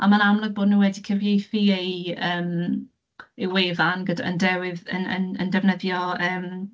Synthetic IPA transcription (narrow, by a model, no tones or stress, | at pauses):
a̰manamlˠʊɡ̚boːdnuːwɛdikʰəvjejθiejəːm | ejweːvanɡəda̰ə̰ndɛwɪðə̰nə̰nə̰ndɛvnəðjɔəːm